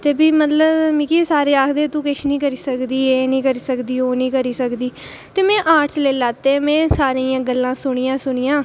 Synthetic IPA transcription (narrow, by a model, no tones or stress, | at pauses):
t̪eːbiːmət̪ləbmĩːkiːsaːɾeːaːkʰd̪eːt̪ũːkɪʃnĩːkəɾiːsəkd̪iːeːnĩːkəɾiːsəkd̪iːoːnĩːkəɾiːsəkd̪iː | t̪eːmɛ̃ːʔaːʈʰt͡ʃleːlaːt̪ːemɛ̃ːsaːɾejãːɡəlːãːsʊɳ̃ijãːsʊɳ̃ijãː